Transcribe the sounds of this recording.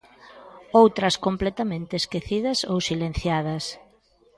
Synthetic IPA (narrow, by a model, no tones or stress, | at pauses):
owt̪ɾɐskomplɛt̪amẽnt̪eːskeθiðɐsowsilẽn̟θjað̞ɐs